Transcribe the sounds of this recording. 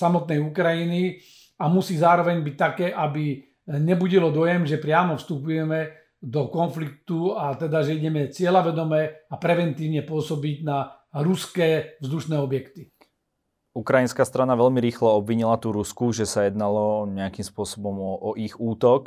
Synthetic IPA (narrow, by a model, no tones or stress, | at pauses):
samɔt̪̚nɛjukɾajini | amusiːzaːɾɔʋɛɲbic̚t̪akɛːʔabi | ɲɛbuɟilɔd̪ɔjɛmʒɛpɾɪaːmɔfst̪upujɛmɛ | d̪ɔkɔnflik̚t̪uat̪ɛd̪aʒɛiɟɛmɛt͡sɪɛlaʋɛd̪ɔmɛːapɾɛʋɛnt̪iːʊɲɛpʊɔsɔbiɟna | ɾuskɛːvzd̪uʃnɛːɔbjɛkt̪i | ukɾajinskaːst̪ɾanaʋɛʎmiɾiːxlɔɔbʋiɲilat̪uːɾuskuʒɛsajɛd̪nalɔɲɛakimspʊɔsɔbɔmɔʔɔʔiɣuːt̪ɔk